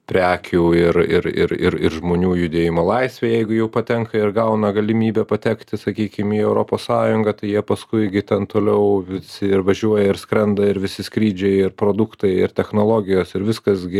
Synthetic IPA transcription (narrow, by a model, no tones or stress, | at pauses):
pʲɾʲæːkʲʰuːɪɾɪ̰ɾɪ̰ɾɪ̰ɾɪ̰ɾʒmoːnʲuːjʊd̪ʲeːjɪmoːlˠɐɪsʲʋʲeːjɛɪɡʊjɛʊpɐt̪ʲɛŋkɐɪɾɡɐʊnɐɡɐlʲɪmʲiːbʲɛpɐt̪ʲɛkt̪ʲɪsɐkʲiːkʲɪmiːɛʊɾoːpoːssɑːjʊŋɡɐt̪ɐɪjiɛpɐskʊɪɡʲɪt̪ʲɛnt̪oːlʲɛʊʋʲɪsʲɪɪrʋɐʒʲuɔjɛɪɾskɾʲɛnd̪ɐɪɾʋʲɪsʲɪskɾʲiːd͡ʒʲɛɪɪɾpɾoːd̪ʊkt̪ɐɪɪrt̪ʲɛxnoːlˠoːɡʲɪjoːsɪɾʋʲɪskɐsɡʲɪ